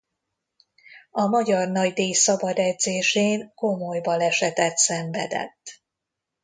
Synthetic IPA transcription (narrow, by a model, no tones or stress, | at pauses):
ɒmɒɟɒrnɒɟd̪eːjsɒbɒd̪ɛd̪zeːʃeːŋko̞mojbɒlɛʃɛt̪ɛt̪sɛɱvɛ̰d̪ɛ̰t̪ː